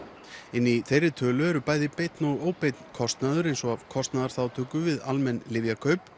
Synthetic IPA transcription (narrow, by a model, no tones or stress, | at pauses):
ɪnːiθejrɪt̪ʰœːlʏɛɾʏpaːjðɪpejt̪noɔɣoːwpejt̪nkʰɔst̪naðʏɾejnsɔɣav̥kʰɔst̪naðaɾ̥θawt̪ʰʏːkʏvɪðalmɛnlɪvjakʰœɥp